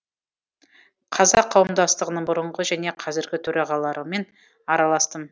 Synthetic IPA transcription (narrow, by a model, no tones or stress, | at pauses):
qʰɑzɑqʰːɑwəmd̪ɑst̪əʁənəɴbʊɾəɴʁəʒæne̞qʰɑzɪɾɡʲɪt̪ʰɵɾɑʁɑlˠɑɾəme̞n | ɑɾɑlˠɑst̪əm